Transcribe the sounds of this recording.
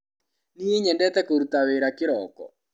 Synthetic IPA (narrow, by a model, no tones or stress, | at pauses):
nieɲɛndɛt̪ɛkoɾut̪aweɾakɪɾɔkɔ̰